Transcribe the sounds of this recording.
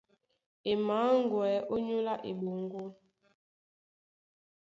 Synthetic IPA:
e˨maː˨˦ŋ˦ɡwɛː˨˦ʔo˦ɲu˦la˦ʔḛ˨ɓo˨ŋ˦ɡo˦

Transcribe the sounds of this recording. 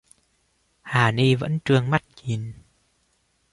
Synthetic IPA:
haː˨˩ni˧və̰˧˥nt͡ɕɨ˧əŋma˦˥t̚t͡ɕi˨˩n

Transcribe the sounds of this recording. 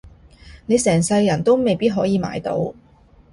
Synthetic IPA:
ne˨˧jsɛː˨˩ŋsɐ˧jjɐ˨˩nt̪o˥wme˨jpiː˥t̚ɦɔː˨˥jiː˨˧ma̰ː˧jt̪o̰˧w

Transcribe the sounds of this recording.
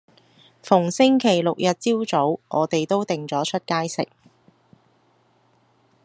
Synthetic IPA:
fʊ˨˩ŋsɪ˥ŋkʰe˨˩jlʊ˨k̚jɐ˨t̚t͡siː˥wt͡so˨˥wʔɔː˨˧t̪e˨jt̪o˥wt̪ɪ˨ŋt͡sɔː˨˥t͡ʃʰɵ˥t̚kaː˥jsɪ̰˨k̚

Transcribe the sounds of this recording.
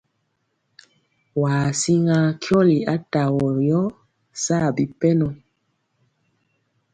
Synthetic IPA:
waː˨si˦ŋa˦kʰjɔ˦li˨a˦ta˨wɔ˨jɔ˦ | sa˦˨bi˨pɛ˦nɔ˨

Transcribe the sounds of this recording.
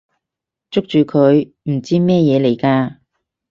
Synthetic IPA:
t͡sʊ˥k̚t͡ʃyː˨˧kʰɵ˨˧˥ɥ | m̩˨˩t͡siː˥mɛː˥jɛː˨˧le˨˩jkaː˧

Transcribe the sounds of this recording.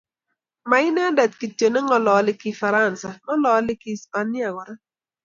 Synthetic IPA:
ma˨ɪ˦n˦a˦da˨t̚ki˨tjo˨nɛ˦ŋɔ˨lɔ˨˦lɪ˦ki˦fa˨ɾa˦˨nsa˨ŋɔ˦lɔ˨˦lɪ˦ki˦sa˨nɪ˦a˨ɡɔ˨ɾa˦

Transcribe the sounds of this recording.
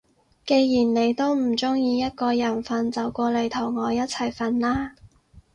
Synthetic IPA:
ke˧jjiː˨˩nne˨˧jt̪o˥wm̩˨˩t͡sʊ˥ŋjiː˧jɐ˥t̚kɔː˧jɐ˨˩nfɐ˧nt͡sɐ˨wkʷɔː˧le˨˧jt̪ʰɐ˨˩wŋɔː˨˧jɐ˥t̚t͡sʰɐ˨˩jfɐ˧nlaː˥

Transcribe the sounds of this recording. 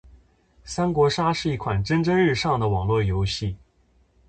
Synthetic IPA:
sa˥nkwɔ˧˥ʂa˥ʂɻ̩˥˧i˥˩kʰwa˨˩nʈ͡ʂə˥nʈ͡ʂə˥ŋɻɻ̩˥˧ʂɑ˥˩ŋd̪ə˩wɑ˨˩ŋlwɔ˥˩jo˧˥ʊɕi˥˩

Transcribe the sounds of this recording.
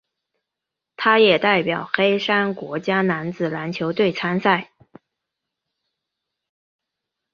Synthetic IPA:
t̪ʰa˥jɛ˨˩t̪a˥˩ɪpjɑ˨˩ʊxe˥ɪʂa˥nkwɔ˧˥t͡ɕja˥na˧˥nd͡zɹ̩˨˩la˧˥nt͡ɕʰjo˧˥ʊt̪we˥˩ɪt͡sʰa˥nsa˥˩ɪ

